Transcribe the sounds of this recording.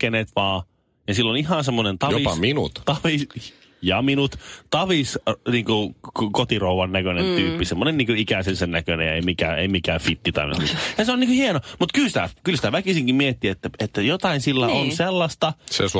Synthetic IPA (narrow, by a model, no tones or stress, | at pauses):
eneːt̪ʋɑː | jɑsilːonihɑnsemːonent̪ɑjoipsminṵt̪t̪ɑʋis | jɑminut̪t̪ɑʋisniːŋkukot̪irouʋɑnːækønent̪yːpːisemːonenniːŋkøikæsensenːækønḛjḛimikæːḛimikæːfit̪ːit̪ɑ̰in̰mḭt̪jɑseoniːkøhienomut̪kylsi̥t̪æ̰kylsi̥t̪æʋækisiŋkimiet̪ːiet̪ːæet̪ːæjot̪ɑinsilːæʔonselːɑst̪ɑsḛs